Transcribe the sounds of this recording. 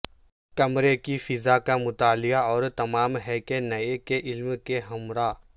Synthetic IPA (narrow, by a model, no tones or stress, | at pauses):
kɐmɾekifɪzakamʊt̪aːlɪjaɔːɾt̪ɐmaːmɦɛːkenɐekeʔɪlmkeɦɐmɾaː